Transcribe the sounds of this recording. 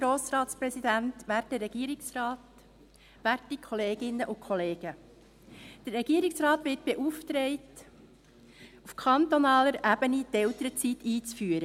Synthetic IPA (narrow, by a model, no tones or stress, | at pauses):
ɡɾoːsɾɑːtspɾɛsid̥̪ænt̪ʋæɾtəɾɛɡ̥iːɾɪksrɑːt | ʋæɾtikʰχɔleːɡ̥ɪnːəʔʊkʰχɔleːɡ̥ə | d̪̥əɾːɛɡ̥iːəɾɪksɾɑːt̪ʋɪt̚b̥eʔuːft̪ɾeɪt | ufkʰɑnt̪onɑːləɾæbənit̪ɛlt̪əɾət͡sit̪iːt͡sfyːəɾə